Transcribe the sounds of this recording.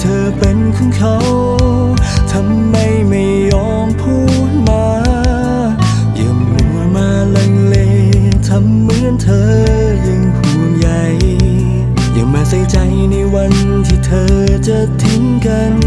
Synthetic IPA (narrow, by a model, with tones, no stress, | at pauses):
t̪ʰɤː˧pe˧nkʰɯ˧˥˩ŋkʰa˧˥w | t̪ʰa˧˥mːa˧˩jma˧˩jːɔː˧˥ŋpʰuː˥˩ | t̚maː˧ | jɯ˨˩ŋʔu˧˩ŋa˧˩maː˧la˧ŋle˧t̪ʰa˧˥mːɯ˧˥ənt̪ʰɤː˧ | jɯ˧ŋpʰu˨˩nja˧j | ja˨˩ŋmaː˧˩sa˧˩t͡ɕa˧jna˧˩jwa˧n | t̪ʰiː˧t̪ʰɤː˧t͡ɕa˧˩t̪ʰːi˧˥ŋka˧n